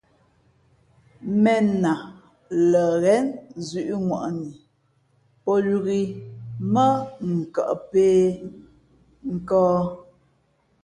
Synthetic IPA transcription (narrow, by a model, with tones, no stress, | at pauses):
mɛ˨na˨ | lə˨ɣɛ˨˦nzɥʉ˨ʔŋwa̰˨ʔni˨ | pɔ˦lu˨ɣi˨mə˦ŋ̩˨ka̰˨ʔpeː˦ | ŋ̩˦kɔː˦